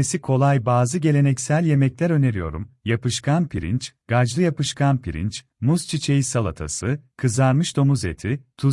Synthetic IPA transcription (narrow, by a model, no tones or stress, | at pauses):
esikʰo̞lˠajbaːzɯɟe̞lʲe̞nɛcsælʲje̞mɛclʲæɾø̞ne̞ɾijo̞̰ɾṵmjapɯʃkʰanpʰiɾḭnt͡ʃɡ̥ad͡ʒlˠɯjapɯʃkʰanpʰiɾḭnt͡ʃ | must͡ʃʰit͡ʃʰe̞jisalˠat̪ʰa̰sɯkʰɯzaɾmɯʃd̪o̞muzḛt̪ʰit̪ʰu